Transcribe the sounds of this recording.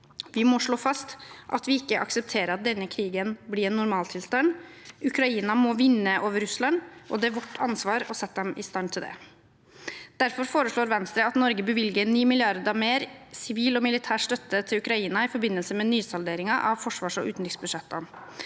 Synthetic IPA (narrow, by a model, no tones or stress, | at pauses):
ʋɪmɔʂɭoːfɑst̪ʔɑ̰t̪ʋɪɪkːəʔɑksəp̚t̪ʰeːɾəɑt̪̚d̪ɛnːəkʰɾiːɡənblɪɛnːʊɾmɑːlt̪ʰɪlst̪ɑnʉkʰɾɑiːnɑmɔʋɪnːəʔoːʋəɾʉslɑnʔɔd̪ɛæɾʋɔʈːʰɑnsʋɑːɾɔsɛt̪ːəd̪ɛmɪst̪ɑnt̪ʰɪld̪ɛ̰ | d̪̥æɾfɔɾfoːɾəʂɭoːɾʋɛnst̪ɾəɑt̪nɔɾɡəbəʋɪlɡəniːmɪlɪɑɾd̪əɑʋmeːɾsɪʋiːlɔmɪlɪt̪ʰæːʈʂt̪œt̪ːət̪ʰɪlʉkɾɑiːnɑɪfɔɾbɪnːəlsəmɛnyːsɑld̪eːɾɪŋɑʔɑʋfɔʂʋɑːʂɔʔʉːt̪nɾɪŋsbʉd̪ʂɛt̪ːɑn